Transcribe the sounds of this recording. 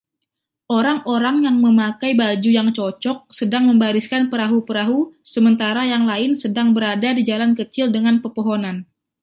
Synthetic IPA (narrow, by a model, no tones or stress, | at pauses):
ʔoɾaŋʔoɾaŋjaŋməmakajbad͡ʒujaŋt͡ʃɔt͡ʃɔk̚sədaŋməmbaɾiskanpəɾaɦupəɾaɦusəmənt̪aɾajaŋlaɪnsədaŋbəɾadadid͡ʒalankət͡ʃɪldəŋanpərpoɦonan